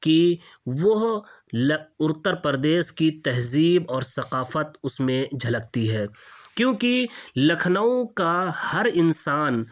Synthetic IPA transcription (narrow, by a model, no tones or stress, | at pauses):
ki | ʋʊɦ | lʊɾt̪əɾpəɾd̪eːʃkit̪ɛɦziːbɔːɾsɐqaːfət̪ʊsmẽd͡ʒʱɐlək̚t̪iɦɛːkjõːkilɐkʰnaõkahɐɾɪnsaːn